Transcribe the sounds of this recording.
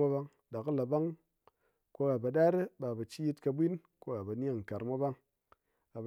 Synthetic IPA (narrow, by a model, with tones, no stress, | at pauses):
a˦ba˦ŋ | da˨ka˦la˨ba˦ŋ | ko˦a˨ba˨ɗa˦ɾe˦ba˨ba˨t͡ʃi˦ji˦tka˧bʷi˦n | ko˦ɡa˨ba˨ni˦a˦˨ŋ̩˨ka˨ɾmʷa˦ba˦ŋ | a˨b